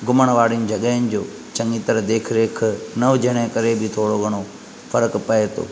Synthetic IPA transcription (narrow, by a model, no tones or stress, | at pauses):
ɡʊməɽ̃ʋaːɽɪnɪ̆d͡ʑʱɐɠəɪnɪ̆d͡ʑoː | t͡ɕɐ̃ŋɡiːt̪əɾd̪eːkʰɾeːkʰnɐʋd͡ʑʱɐɽ̃ẽkɐɾebʱɪt̪ʰoːɽoɡʱɐɽ̃o | fɐɾəkpɐet̪ʰo̰ː